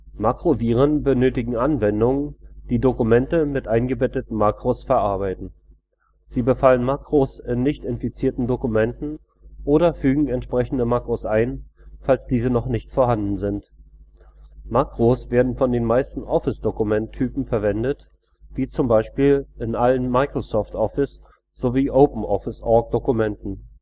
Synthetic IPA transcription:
makʁ̥oviːʁ̞ənbənøːtɪɡŋ̩ʔanvɛndʊŋd̥iːdokumɛntəmɪtʔaɪnɡəbɛtətn̩makʁ̥osfɛɐʔaɐbaɪtn̩ | z̥iːbəfalənmakʁ̥osɪnːɪçtɪnfit͡siːɐtn̩dokumɛntn̩ | ʔoːɾɐfyːɡŋ̩ɛntʃpʁ̥ɛçn̩dəmakʁ̥osʔaɪnfalsd̥iːzənɔχnɪçtfoːɐɦandn̩zɪnt | makʁ̥osv̥eːɐdn̩fɔndeːnmaɪstn̩ʔɔfɪsd̥okumɛntʰːyːpm̩fɛɐvɛndət | v̥iːt͡sʊmbaɪʃpiːlɪnʔalənmaɪkʁ̥osɔftʔɔfɪs | z̥oviːʔoʊpm̩ʔɔfɪsʔɔɐk̚d̥okumɛntn̩

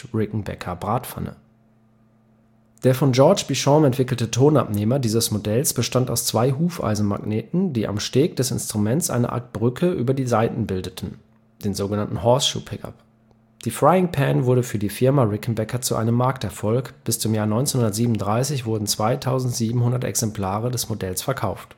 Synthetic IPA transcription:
ʁɪkŋ̩bɛ̰kʰɐbʁaːtfa̰nə̰ | d̥eːɐfɔnd͡ʒɔɐt͡ʃb̥iʃɔ̃mɛntv̥ɪkl̩tətʰoːna̰pneːmɐdiːzəsmodɛlsb̥əʃtanta̰ʊst͡sv̥aɪɦuːfa̰ɪzn̩ma̰ɡneːtn̩d̥iːʔa̰mʃteːk̚d̥ɛsɪ̰nstʁ̥umɛnt͡sʔa̰ɪnə̰ʔa̰ɐt̚b̥ʁʏkʰəʔyːbɐdiːzaɪtn̩bɪldətʰn̩ | d̥eːnzoːɡənantn̩hɔɐsʃṵːpʰɪka̰p | d̥iːfʁ̥aɪɪŋpʰɛnvʊɐɾəfyːɐdiːfɪɐmaʁɪkn̩bɛkɐt͡suʔa̰ɪnəmːaɐk̚tɛɐfɔlkb̥ɪst͡sʊmjaːɐnɔ̃ʏnt͡senhʊnɐtz̥iːbmnʊndʁaɪsɪçv̥ʊɐdn̩t͡sv̥aɪtʰaʊzn̩tz̥iːbm̩hʊndɐtɛ̰ksɛmpʰl̥aːʁədɛsmodɛlsfɛɐkʰaʊft

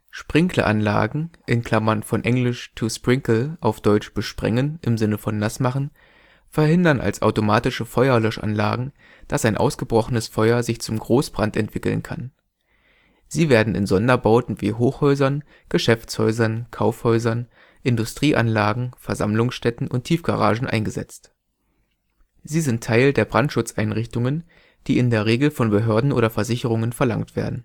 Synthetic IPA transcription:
ʃpʁ̥ɪŋkʰlə̰ʔa̰nla̰ːɡŋ̩ʔɪnkʰl̥amɐnfɔnʔɛŋlɪʃt͡suspʁ̥ɪŋkl̩ʔaʊfd̥ɔʏt͡ʃb̥əʃpʁ̥ɛ̰ŋənʔɪmzɪnəfɔnːasmaχn̩ | fɛɐɦɪndɐnʔa̰lsʔa̰ʊtomaːtɪʃəfɔʏɐlœʃʔa̰nla̰ːɡŋ̩ | d̥asaɪnʔa̰ʊsɡ̥əbʁɔχənəsfɔʏɐzɪçt͡sʊmɡʁoːsb̥ʁantɛ̰ntv̥ɪkl̩nkʰa̰n | z̥iːveːɐdn̩ɪ̰nzɔndɐbaʊtn̩vḭːɦoːxhɔʏzɐn | ɡ̥əʃɛft͡shɔʏzɐnkʰaʊfhɔʏzɐn | ʔɪndʊstʁ̥iːʔa̰nlaːɡŋ̩fɛɐza̰mlʊŋsʃtɛtn̩ʔʊntʰiːfɡ̥a̰ʁa̰ːʒn̩ʔa̰ɪnɡəzɛ̰t͡st | z̥iːzɪntʰːaɪldeːɐbʁantʃʊt͡sʔaɪnʁɪçtʊŋən | d̥iːɪndeːɐʁ̞eːɡl̩fɔnbəɦøːɐdn̩ʔoːɾɐfɛɐzɪçəʁ̞ʊŋənfɛɐla̰ŋtv̥ḛːɐdn̩

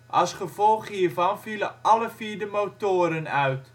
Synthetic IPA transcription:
ʔɑ̰lˠsχəv̥ɔlˠχhiːrvɑnviləʔɑləviːɹdəmowtoːəɾənœɥt

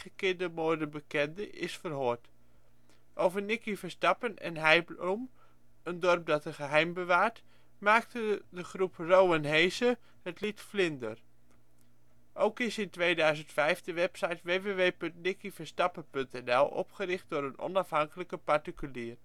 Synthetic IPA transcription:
əkɪndəmoːdəbəkɛndəʔɪsfərɦoːɹt | ʔowvəɹnɪkifəɹstɑpənɛ̰nɦɛjbum | əndɔrp̚dɑtəχəɦɛjmbəʋaːɹt | maːk̚tədəχruprowənɦejsə | hətlitflɪndər | ʔowkɪsɪntʋejdœɥzəntfɛjfdəʋɛpsɑjtʋeːʋeːʋeːpɵntnɪkivəɹstɑpənpɵntɛnɛlˠʔɔ̰pχəɾɪχt̚dʊːɾənɔ̰nɑfɦɑŋkələkəpaɹtikyliːr

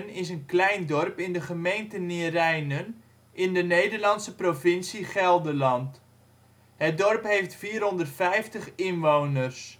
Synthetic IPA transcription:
nɪs̬ənklɛjndɔrpɪndəχəmejntəniərɛjnən | ʔɪndənejdərlɑnsəprofɪnsiχɛlˠdəlɑnt | hət̚dɔrpɦejftfiːrɦɔndərtfɛjftəχɪnʋownərs

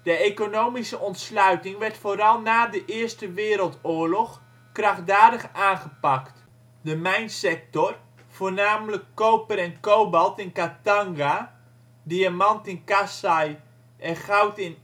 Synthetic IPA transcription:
d̥əekonowmisəʔɔntslœɥtɪŋʋɛrtfoːɾɑlˠnaːdəʔɪəstəʋɪːɾəlˠtoːrlɔχ | kraχdaːdəχaːnχəpakt | dəmɛjnsɛk̚tɔr | v̥oːrnaːmləkːowpəɾɛnkowbɑlˠtɪnkataŋɡa | diamɑntɪnkasaj | ʔɛχawtɪn

